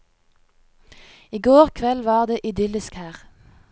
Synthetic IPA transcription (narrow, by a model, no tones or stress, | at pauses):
iːɡoːʁkʰʋɛlʋɑːʁd̪eːʔɪd̪ʏlɪskhæːʁ